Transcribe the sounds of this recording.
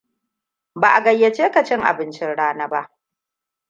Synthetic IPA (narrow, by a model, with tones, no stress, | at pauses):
baː˨ʔa˨ɡɐ˨jːe˨t͡ʃeː˦ka˨t͡ʃɪ˦ŋʔa̰˨bɪ˦nt͡ʃɪ˦nɽaː˦nɐ˦ba̰˦ʔ